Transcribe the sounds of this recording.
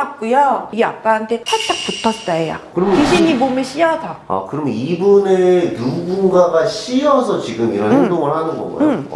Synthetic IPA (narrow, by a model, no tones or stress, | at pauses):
ak͈ujoiɡja̰k̚k͈aɦantʰe̞tʰat͈ak̚p͈utʰʌs͈aeja̰kɯɾʌmiɕʰiɲibomʌɕ͈ʰiʌdaa̰kɯɾʌmenibunenuɡunɡaɡaɕʰiʌsʰʌt͡ɕiɡɯmiɾʌnɦhedoŋɯɭhanɯnbʌ̰ɡʌ̰jo̰